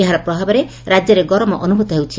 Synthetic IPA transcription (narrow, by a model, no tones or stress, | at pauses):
eɦaɾɔpɾɔbʱabɔɾe | ɾad͡ʒjɔɾeɡɔɾɔmɔʔɔnubʱut̪ɔɦewt͡ʃʰi